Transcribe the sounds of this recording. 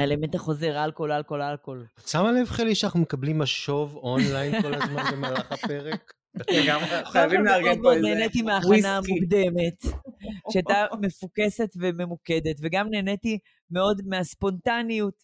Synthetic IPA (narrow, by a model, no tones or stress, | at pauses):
aelementaχo̞ze̞ʁaːlko̞lalko̞lalko̞lat͡samalevχeliʃanaχnumekablimaʃo̞vonlajnkolazmanbemaːlaχapeʁek | ɡamajavimlaɡeod̪̚meoneːnetimeaːχanaamukd̪eme̞t | ʃeat̪ame̞fuke̞se̞tveme̞mukede̞tveɡamne̞ːneti | meo̞dmeaspo̞ntanijut